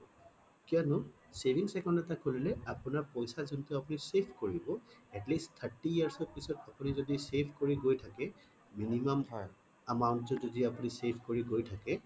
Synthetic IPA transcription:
kiɔnʊ | sebʱiŋsɛkɔndɛtakːolilɛapʊnaɹpɔjsazuntʊapʊnisepʰkoɹibɔɛtlistt̪ʰaɹtiiaɹsɔpisɔtapunizodisepʰkoɹiɡojtʰakɛ | minimamj | amawntzɔzodiapunisepʰkoɹiɡojtʰakɛ

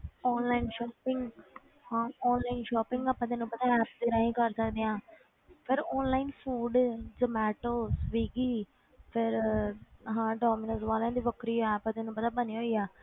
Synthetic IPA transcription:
ɔːnlaːinʃɔːpɪŋɡ | hãːɔːnlaːɪnʃɔːpɪ̃ŋɡaːpãːt̪eːnũːpət̪ãːɛːpt̪eːɾãːĩːkəɾsəkd̪eːãː | pʰɪɾɔːnlaːɪnpʰuːɖd͡ʒəmɛːʈoːsʋiːɡiː | pʰɪɾ | ɦãːɖɔːmɪnəsʋaːlãːd̪iːʋəkɾiːɦoɛːəpãːt̪enũːpəd̪aːbəniːɦoːiːaː

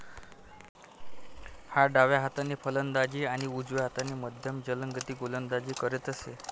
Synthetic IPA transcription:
haɖaʋjaɦat̪aneːpʰələnd̪ad͡ʑiːaɽ̃iud͡zʋjaɦat̪aneːməd̪ʱjəmd͡ʑələŋɡət̪iːɡolənd̪ad͡ʑiːkəɾet̪əse

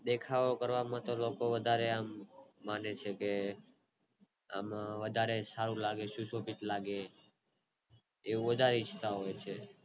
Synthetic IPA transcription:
d̪ekʰaʋokəɾʋamãt̪olokoʋəd̪ʱaɾeamːanet͡ʃʰeke | a̰maʋəd̪ʱaɾesaɾũlaɡeʃũsobit̪laɡe | ʋũʋəd̪ʱaɾeit͡ʃʰt̪aɦojt͡ʃʰe

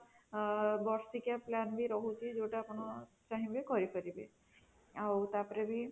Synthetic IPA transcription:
bɔɾsikjaplanbʱiɾɔɦut͡ɕid͡ʑewʈaːpɔɽ̃ɔ | t͡ɕaɦĩbekɔɾipʰəɾibḭ | awt̪apɾebʱi

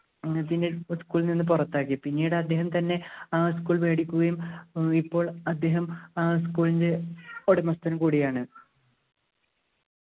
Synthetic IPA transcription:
pindeskuːɭninːɨp̬urɐt̪ːaːkːipinːiːjuɽɨɐd̪ːe̞ːɦɐmt̪ɐnːe̞skuːɭʋe̞ːɽikʲːuɣɐjumipːo̞ːɭɐd̪ːe̞ːɦɐmskuːɭindeoɽemɐst̪ɐnkuːɽijaːɳɨ

